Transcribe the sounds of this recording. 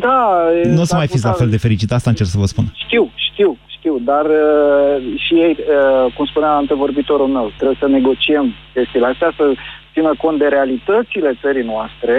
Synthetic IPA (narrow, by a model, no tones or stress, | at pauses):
d̪anuosəmajfit̪s̬ʲlafe̞ld̪e̞fe̞ɾit͡ʃit̪ast̪aɨnt͡ʃerksəvəspunʃt̪iwʃt̪iwʃt̪iwd̪arə | ʃijejəkumspuneant̪evo̞rbit̪o̞ɾulme̞wt̪ɾe̞bjesəne̞ɡo̞t͡ʃie̞mkʲe̞st̪ileast̪easət̪sinəko̞nt̪̚d̪e̞ɾealit̪ət̪sile̞t̪səɾijnoast̪ɾe̞